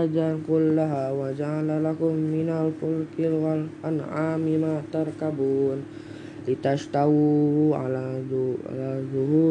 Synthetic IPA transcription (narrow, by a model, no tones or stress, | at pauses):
ad͡ʒankulːaɦawad͡ʒalalakumːinalfulkilwalanaːmimat̪aɾkabuːn | lit̪aʃt̪aua̰la̰ | lad͡ʒuɦu